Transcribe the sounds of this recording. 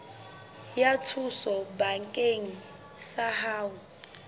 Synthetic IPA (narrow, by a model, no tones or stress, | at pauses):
jatʰusɔbaŋkʼeŋ̩ | sahaːwu